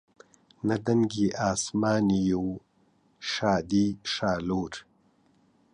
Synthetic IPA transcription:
nad̪ɐŋɡiʔaːsmɑːnijoː | ʃaːd̪iʃaːloːɾ

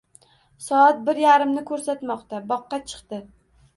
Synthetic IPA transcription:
sɒat̪̚bɪɾjaɾɪmnɪkʰɵɾsat̪mɒqt̪abɒqːɑt͡ʃʰɨ̥qt̪ɪ

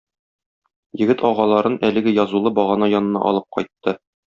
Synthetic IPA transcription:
jɘ̆ɡɘt̪ʰɒʁɑlˠɑɾɤnʔælɘ̆ɡɘjɒzulˠɤbɒʁɑnɑjɒnɤ̆nɑ̰ʔɒ̰lˠɤp̚qɒjt̪ːɤ

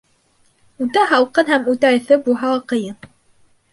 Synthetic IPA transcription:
ut̪æɦɑwqɤnɦæmut̪æɘ̆θɘbuɦɑwɑqɤ̆jɤn

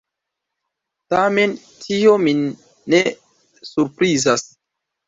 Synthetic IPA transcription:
tame̞n | tʰio̞mi | ne | suɾpɾizas

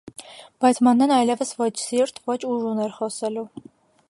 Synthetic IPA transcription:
b̥ɑjt͡sʰmɑnːɛnɑjlɛvəsvɔt͡ʃʰsiɾt̪ʰvɔt͡ʃʰuʒunɛɾχɔsɛlu

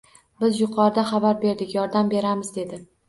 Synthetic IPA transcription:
bɪzjʊqʰɒɾɪd̪aχɑbaɾbe̞ɾd̪ɪkʲjɒɾd̪ambe̞ɾamɪzd̪e̞d̪ɪ

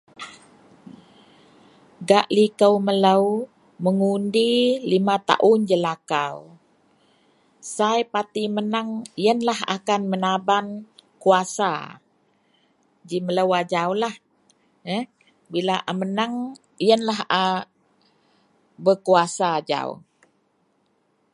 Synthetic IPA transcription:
ɡaʔlikəwmələw | məŋundilimat̪a̰ʔʊnd͡ʒəlakaw | sajpat̪imənaŋijənlaha̰kanmənabankuasa̰ | d͡ʒimələwad͡ʒawlah | əh | bilaʔamənaŋ | ijənlaɦa | bəkuasad͡ʒa̰w̰

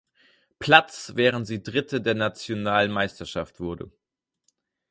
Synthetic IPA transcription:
pʰl̥at͡svɛːʁ̞əntz̥iːdʁɪtʰədeːɐnat͡sjonaːlnmaɪstɐʃaftv̥ʊɐdə̰

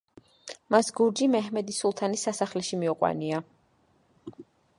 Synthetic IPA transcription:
masɡuɾd͡ʒimɛɦmɛd̪isulˠt̪ʰanisasaχlɛʃimiuqʼwa̰nia

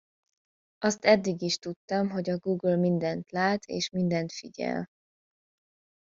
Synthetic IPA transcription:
ɒst̪ɛd̪ːiɡiʃt̪ut̪ːɒmɦo̞ɟɒɡuːɡlmind̪ɛnt̪laːt̪ʰḛːʃmind̪ɛnt̪fiɟɛ̰l

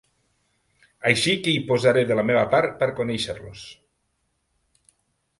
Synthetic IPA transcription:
ajʃikeipozaɾeðelameβ̞apaɾpəɾkoneʃəɾlos

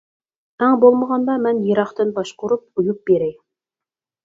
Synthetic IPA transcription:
æŋbolˠməʁɑnd̪ɑmænjɤ̆ɾɑχt̪ɨnbɑʃqʊɾup̚ʊjup̚beɾæj

